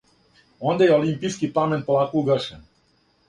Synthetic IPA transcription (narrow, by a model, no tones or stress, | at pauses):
o̞nd̪ajeolimpiskipamenpolˠaːkouɡrʃen